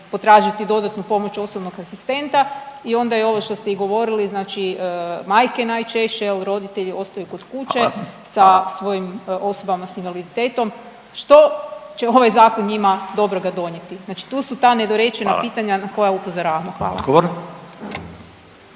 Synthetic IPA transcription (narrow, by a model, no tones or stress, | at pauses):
po̞t̪ɾaːʒit̪id̪o̞d̪at̪nupo̞mot͡ʃo̞sobnoɡasist̪e̞nt̪aio̞nd̪ajeo̞ʋoʃt̪o̞st̪e̞iɡo̞ʋo̞ɾiliznaːt͡ʃimajke̞naːjt͡ʃe̞ʃt͡ʃejelɾo̞d̪it̪eʎio̞st̪ajuko̞d̪kuːt͡ɕesasʋo̞jimo̞sobamasinʋalid̪it̪e̞ːt̪o̞m | ʃt̪o̞t͡ɕe̞o̞ʋajzaːkonɲimad̪o̞bɾoɡad̪o̞ɲet̪iznaːt͡ʃi̥t̪uːsut̪aːne̞d̪oɾe̞t͡ʃe̞napiːt̪aɲanako̞jaupo̞zoɾaːʋamoxʋa̰ːlˠaɡoɾ